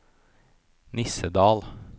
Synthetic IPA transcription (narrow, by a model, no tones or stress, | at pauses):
nɪsəd̪ɑːl